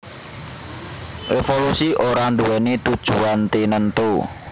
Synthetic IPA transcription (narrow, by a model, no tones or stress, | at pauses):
ʔefolusiʔoɾand̪uwɛnet̪ud̥ʒ̥uant̪enənt̪o